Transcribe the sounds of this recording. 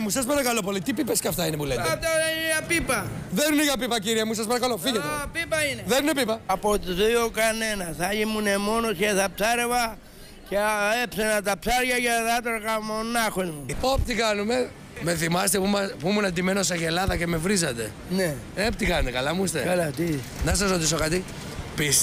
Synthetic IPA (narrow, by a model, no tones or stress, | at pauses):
musɐspɐɾɐkɐlopo̞lit̪ipipescɐft̪ɐinepulet̪t̪ɐjɐpipɐðenineʝɐpipɐciɾiɐmus̬ɐspɐɾɐkɐlofiʝet̪epipɐineðeninepipɐɐpot̪uðujokanenɐθɐimunemonosçeθɐpsɐɾe̞vɐ | ceepsenɐt̪ɐpsaɾʝɐʝeðat̪oɾkamonɐxozmupopt̪ikɐnume̞ | me̞θimɐst̪epumɐpumunɐnd̪imenoseʝelɐðɐcemevɾizɐt̪e̞̰ | ne | ept̪ikɐnunekɐlɐmust̪ekɐlɐt̪i | nɐsɐsɾot̪is̬o̞kɐt̪i | pis